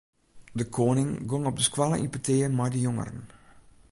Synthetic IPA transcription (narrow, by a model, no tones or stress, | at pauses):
dəkʰoːnɪŋɡoŋɔp̚dəskwalə̰ʔipəteːəmajdəjoŋə̰ɾə̰n